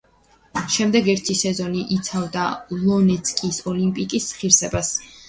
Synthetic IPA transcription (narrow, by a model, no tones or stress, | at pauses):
ʃɛmd̪ɛɡɛɾt̪ʰisɛzɔniʔit̪sʰavd̪alˠɔnɛt̪sʰkʼisɔlimpʼikʼisχiɾsɛbas